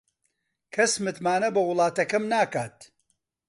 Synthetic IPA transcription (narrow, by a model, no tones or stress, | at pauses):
kʰɐsmɨt̪maːnɐbɐwʊlˠɑːt̪ɐkɐmnaːkaːt̪